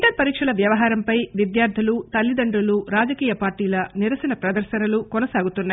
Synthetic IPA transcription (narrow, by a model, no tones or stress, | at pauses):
ʈɐɾpɐɾiːkʂɐlɐʋjɐʋɐɦaːɾɐmpɐjʋid̪jaːɾd̪ʱilut̪ɐlːid̪ɐɳɖuluɾaːd͡ʒɐkiːjɐpaːɾʈiːlɐniɾɐsɐnɐpɾɐd̪ɐɾʃɐnɐlukɔnɐsaːɡut̪unːa